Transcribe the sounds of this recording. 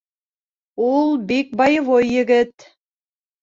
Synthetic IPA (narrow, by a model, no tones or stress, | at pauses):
ulˠbik̚bɑjvojːɘ̆ɡɘt̪